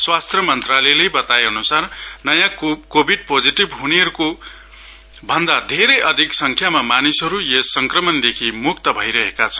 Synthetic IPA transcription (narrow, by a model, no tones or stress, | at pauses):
swast̪rʌmʌnt̪ralelejbʌt̪aeʌnusarnʌjãkobʱiɖ̚pod͡ziʈibɦuneʌɾuko | bʱʌnd̪ad̪ʱeɾejʔʌd̪ʱiksʌŋkʰjamamanisʌɾujesʌŋkrʌmʌnd̪ekʰimuk̚t̪ʌbʱʌjɾʌɦekat͡sʰʌ̥n